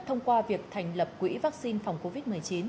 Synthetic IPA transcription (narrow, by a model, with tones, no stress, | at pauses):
t̪ʰə˧wŋ͡mkwaː˧vi˨˩ək̚t̪ʰa˨˩jŋ̟lə˨˩p̚kwḭ˧˥vaː˦˥k̚si˧nfa˨˩wŋ͡mko˧vi˦˥t̚mɨ˨˩əjt͡ɕi˨˦n